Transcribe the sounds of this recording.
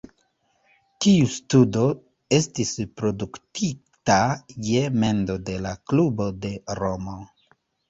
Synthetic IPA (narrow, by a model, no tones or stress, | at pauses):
tiustudo̞ | e̞stispɾo̞duktʰitaje̞me̞ndo̞de̞laklubo̞de̞ɾo̞mo